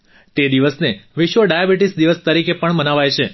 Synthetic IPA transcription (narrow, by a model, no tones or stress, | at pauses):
t̪ed̪iʋəsneʋɪʃʋəɖajabiʈisd̪iʋəst̪əɾikepəɳmənaʋajt͡ʃʰe